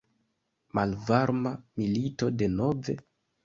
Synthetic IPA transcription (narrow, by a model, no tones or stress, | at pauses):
malvaɾmamilito̞de̞no̞ve̞